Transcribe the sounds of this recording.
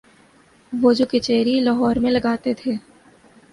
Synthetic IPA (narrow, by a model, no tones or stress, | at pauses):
ʋoːd͡ʒoket͡ʃɛːɾilɐɦɔːɾmẽlɐɡaːt̪et̪ʰeː